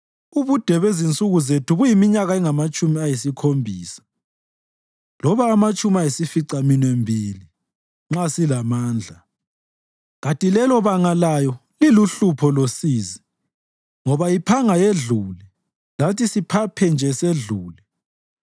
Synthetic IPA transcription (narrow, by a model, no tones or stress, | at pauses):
uβud̥ʱɛβezint͡sʼuɣuzetʰuɣujimiɲaɣaiŋamat͡ʃʼumiajisikʰombʱiːsḁ | lɔβaːmat͡ʃʼumiajisifiǀaminembʱili | ŋ͡ǁasilamaːnd͡ɮʱa | ɣatʼilɛlɔβaŋalajɔliluɬupʰɔlosiːzi | ŋɔβajipʰaŋajeɮuːlɛ | latʰʼisipʰapʰɛnd͡ʒʱɛseɮuːli